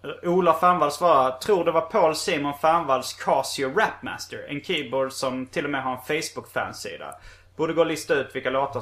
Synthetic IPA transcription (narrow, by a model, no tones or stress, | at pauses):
uːlafænvalsvɑːɾat̪ʰɾuːɖɛvapʰoːlsiːmʊnfænvald̪skʰɑsɪʊɾɛpmæ̰st̪əɾɛ̰nkʰiːbɔd̪sɔmt̪ʰɪlːɔmɛɦaɾɛnfɛjsbʊkfæ̰ːnsḭːd̪a̰ | b̥uːɖ̪əɡoːlʏst̪aʉ̟ːt̪vɪlkaloːt̪ə